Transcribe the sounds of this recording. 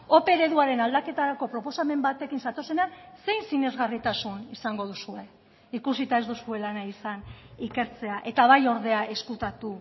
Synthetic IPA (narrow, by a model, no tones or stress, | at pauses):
o̞pe̞ɾe̞ðuaɾe̞nald̪ake̞t̪aɾako̞pɾo̞po̞same̞mbat̪e̞kinsat̪o̞se̞nanse̞jnsine̞zɣarit̪asunisaŋɡo̞ðusue̞ | ikusit̪ae̞zd̪usue̞lanaisanike̞ɾt͡se̞aʔe̞t̪aβajo̞ɾðe̞aʔe̞skut̪at̪u